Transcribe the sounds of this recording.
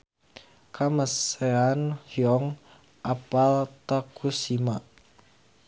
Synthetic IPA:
kʰaməseanhjɔŋ | ʔapalt̪akusima

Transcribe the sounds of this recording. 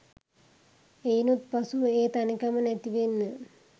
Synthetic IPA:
ejnut̪pɐsueːt̪ɐnikːɐmɐnet̪ːiʋenːɨ

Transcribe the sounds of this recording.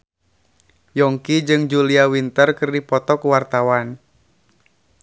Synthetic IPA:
jɔŋkid͡ʒɨŋd͡ʒuliawint̪ərkɨrdipɔt̪ɔkuwart̪awan

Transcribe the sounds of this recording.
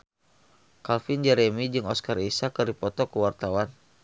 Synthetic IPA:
kalfɪnd͡ʒɛɾɛmid͡ʒɨŋɔskarisakərdipɔt̪ɔkəwart̪awan

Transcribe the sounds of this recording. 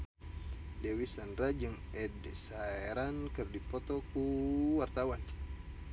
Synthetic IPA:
dɛwisanrad͡ʒɨŋɛdsaɛɾankɨrdipɔt̪ɔkuwart̪awan

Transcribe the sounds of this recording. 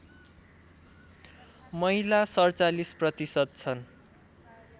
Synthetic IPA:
mʌɦilasʌrt͡salisprʌt̪isʌt̪̚t͡sʰʌn

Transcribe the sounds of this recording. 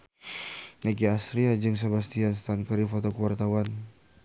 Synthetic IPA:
neɡiast̪ɾiad͡ʒɨŋs̬abast̪ianst̪ankəɾifɔt̪okuwart̪awan

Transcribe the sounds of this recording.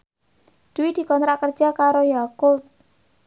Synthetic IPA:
d̪̥uwid̪̥i̤kɔnt̪ɾaʔkərd̥d͡ʒ̥a̤kaɾojakʊlt̪̚

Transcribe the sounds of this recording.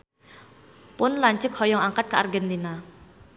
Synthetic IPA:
ponlant͡ɕəkʰːɔjɔŋaŋkat̪̚kəʔa̰rɡənd̪ina

